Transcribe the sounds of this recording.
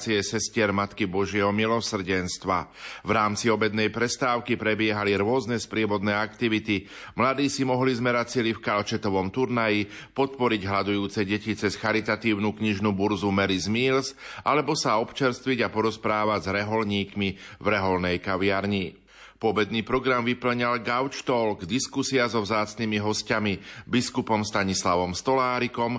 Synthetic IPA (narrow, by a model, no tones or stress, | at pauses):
t͡siɛsɛscɪɛɾmat̪kibɔʒɪɛɦɔmilɔsr̩ɟɛnst̪ʋavɾaːmt͡siɔbɛd̪nɛjpɾɛst̪aːʊkipɾɛbɪɛɦaliɾʊɔznɛspɾɪɛbɔd̪nɛːakt̪iʋit̪i | mlad̪iːsimɔɦlizmɛɾat͡silifkalt͡ʃɛt̪ɔʋɔmt̪uɾnaji | pɔt̪̚pɔɾiɟɦlad̪ujuːt͡sɛɟɛcit͡sɛsxaɾit̪at̪iːʊnukɲiʒnubuɾzumɛɾizmiːlsʔalɛbɔsaɔpt͡ʃɛɾst̪ʋiɟapɔɾɔspɾaːʋaɟzɾɛɦɔlɲiːkmivɾɛɦɔlnɛjkaʋɪaɾɲi | pʊɔbɛd̪niːpɾɔɡɾamʋipl̩ɲalɡaʊt͡ʃt̪ɔlɡd̪iskusiazɔvzaːt͡snimiɦɔscamibiskupɔmst̪aɲislaʋɔmst̪ɔlaːɾikɔm